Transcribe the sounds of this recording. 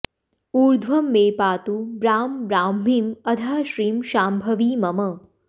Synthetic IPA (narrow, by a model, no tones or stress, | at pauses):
uːɾd̪ʱʋɐmːeːpaːt̪ubɾaːmbɾaːmːimɐd̪ʱaːʃɾiːmʃaːmbʱɐʋiːmɐmɐ